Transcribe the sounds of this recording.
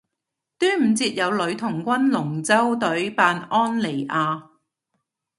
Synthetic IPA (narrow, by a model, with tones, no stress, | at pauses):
t̪yː˥nm̩˨˩t͡siː˧t̚jɐ˨˧wlɵ˨˧˥ɥt̪ʰʊ˨˩ŋkʷɐ˥nlʊ˨˩ŋt͡sɐ˥wt̪ɵ˨˥ɥpaː˧nʔɔː˥nle˨˩jʔaː˧